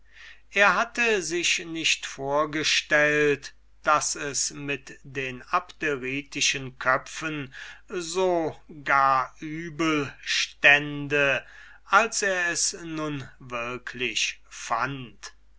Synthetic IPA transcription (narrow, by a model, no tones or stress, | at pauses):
ʔeːɐɦatəzɪʃnɪʃtfoːɐɡəʃtɛlt | d̥asɛsmɪtdeːnapteʁiːtʰɪʃənkʰœfənzoːɡaːɐʔyːbəlʃtɛndə | ʔalseːɐɛsnʊnvɪɐkʰlɪʃfant